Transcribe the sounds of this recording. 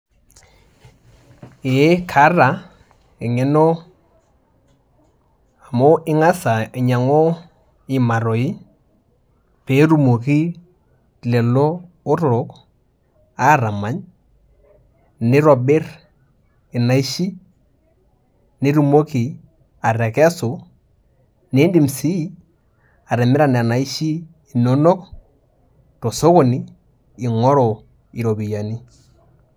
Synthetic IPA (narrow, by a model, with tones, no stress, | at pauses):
e˨˦kʰa˨˦ra˨ | ɪ˨ŋɪ˦nɔ˦ | a˨mʊ˦ʔɪ˦ŋa˦sa˨ɪ˨ɲa˨ŋo˦ | ɪ˨ma˨ɾo˨ɪ˦ | pe˨˦ɾu˨mo˨ki˦ | lɛ˨lɔ˦ | ʊ˦ɾʊ˨k | a˦ɾa˨ma˦ɲ | nɪ˦ɾɔ˨bɪ˦ɾ | e˨na˨˦i˦ʃi˦ | ni˦ɾu˨mo˦ki˨ | a˨ɾɛ˨kɛ˦so˨ | ne˦ndi˨msi˦˨ | a˨ɾɛ˨mɪ˦ɾa˨n˨a˨na˨i˦ʃiː˦˨ | no˦no˦k | to˨so˦ko˨niː˦˨ | ŋɔ˦ɾɔ˨ | i˨ɾo˨bi˨ja˨ni˦